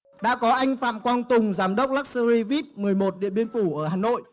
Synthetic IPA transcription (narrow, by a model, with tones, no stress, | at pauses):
ɗa̰ː˧˥kɔ˨˦ʔa˧jŋ̟fa̰ː˧˨mkwaː˧nt̪ʊ˨˩ŋ͡mzaː˨˦mɗə˦˥wk͡p̚laː˦˥k̚sə˧ɾi˧vi˦˥p̚mɨ˨˩əjmo˨˩t̚ɗḭ˧˨əɓi˧ənfu˧˩ʔəː˧˩ɦaː˨˩no̰˧˨jʔ